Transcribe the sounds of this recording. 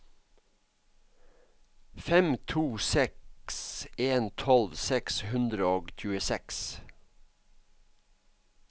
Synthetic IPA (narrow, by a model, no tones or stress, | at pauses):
fɛmt̪ʰuːsɛkseːnt̪ʰɔlʋsɛkshʉnd̪ɾəoːɡc͡çʉːəsɛks